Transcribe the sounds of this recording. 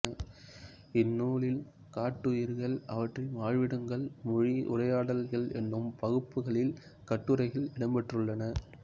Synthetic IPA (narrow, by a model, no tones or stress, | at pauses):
ɪnːuːɭɪl | kaːʈːɯjɪɾɣɐɭɐʋɐʈrɪʋaːɻʋɪɽɐŋɡɐɭmʊɻiʊ̰rɐjaːɽɐlɣɐɭɛnːɯmpɐɣɯpːɯɣɐɭɪl | kɐʈːɯɾɐɪɣɐlɪɽɐmbɛʈrɯɭːɐnɐ